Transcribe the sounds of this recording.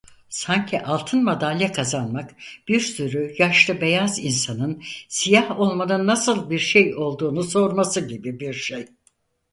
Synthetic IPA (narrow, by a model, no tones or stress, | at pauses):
saɲcʰiʔalˠt̪ʰɯnmad̪alʲːjɛkʰazanmakb̥iɾsyɾyjaʃlˠɯbe̞jazinsanɯnsijaho̞lˠmanɯnːasɯlˠbiɾʃejo̞lˠd̪uːnuso̞ɾmasɯɟibibiɾʃej